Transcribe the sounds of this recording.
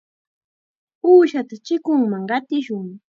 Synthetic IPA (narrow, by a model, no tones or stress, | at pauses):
uːʃat̪at͡ʃɪkʊŋmaŋɢɑt̪ɪʃʊŋ